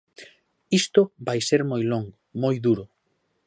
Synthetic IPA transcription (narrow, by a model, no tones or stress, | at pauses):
ist̪ʊbajseɾmojloŋɡʊmojðuɾʊ